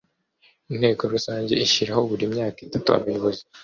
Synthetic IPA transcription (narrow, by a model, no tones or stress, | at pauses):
in̥he̞ːko̞ɾusaːɲɟe̞̰ʔiʃiɾaho̞βuɾimɲaːkitatṵa̰βajo̞βo̞zi